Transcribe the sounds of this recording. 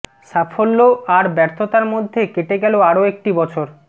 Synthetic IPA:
ʃafʰolːoaɾbɛɾt̪ʰot̪aɾmod̪ʱːekeʈeɡɛloaɾoek̚ʈibɔt͡ɕʰoɾ

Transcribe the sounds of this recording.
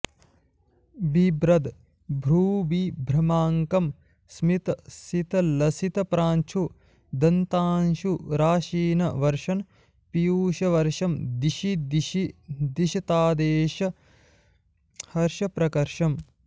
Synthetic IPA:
bibɾɐd̪ | bʱɾuːbibʱɾɐmaːŋkɐm | smit̪ɐsit̪ɐlɐsit̪ɐpɾaːnt͡ʃʰu | d̪ɐnt̪aːnʃuɾaːʃiːnɐ̰ʋɐɾʃɐn | pijuːʃɐʋɐɾʂɐmd̪iʃid̪ʃid̪iʃɐt̪aːd̪eːʃɐ | hɐɾʃɐpɾɐkɐɾʂɐm

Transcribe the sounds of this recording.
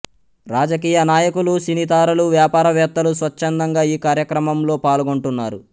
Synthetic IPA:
ɾaːd͡ʒɐkiːjɐnaːjɐkulusinit̪aːɾɐluʋjaːpaːɾɐʋɛːt̪ːɐlusʋɐt͡ʃːɐnd̪ɐŋɡaːiːkaːɾjɐkɾɐmɐmlo̞ːpaːlɡo̞ɳʈunːaːɾu

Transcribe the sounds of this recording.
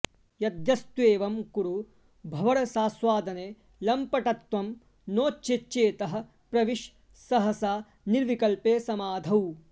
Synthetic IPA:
jɐd̪jɐst̪ʋeːʋɐmkuɾu | bʱɐʋɐɽɐsaːsʋaːd̪ʱɐneː | lɐmpɐʈɐt̪ʋɐm | noːt͡ʃt͡ʃet͡ʃːeːt̪ɐɦɐ̆ | pɾɐʋiʃ | sɐɦɐsaː | niɾʋikɐlpeːsɐmaːd̪ʱɐw

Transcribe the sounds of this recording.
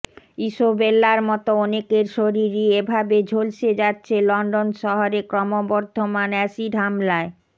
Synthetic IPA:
iʃobelːaɾmɔt̪oɔnekeɾʃoɾiɾiebʱabed͡ʑʱolʃed͡ʑatːɕʰelɔɳɖonʃɔɦoɾekɾɔmobɔɾd̪ʱomanɛsiɖɦamlae

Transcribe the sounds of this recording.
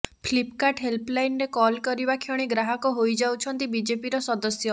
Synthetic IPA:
pʰlipkaʈɦelplajnɾekɔlkɔɾibakʰjɔɽ̃iɡɾaɦɔkɔɦojd͡ʒawt͡ʃʰɔnt̪ibid͡ʒepiɾɔsɔd̪ɔsjɔ

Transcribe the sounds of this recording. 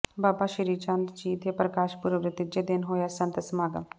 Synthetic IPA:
baːpaːʃəɾiːt͡ʃãnt̪d͡ʒiːt̪eːpɾəkaːʃpuɾəʋɾɪt̪ɪd͡ʒeːd̪ɪnɦoːjaːsə̃nt̪əsmaːɡə̰

